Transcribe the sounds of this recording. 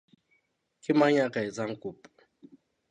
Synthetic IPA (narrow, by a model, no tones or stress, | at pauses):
kimaɲakaizaŋ̩kup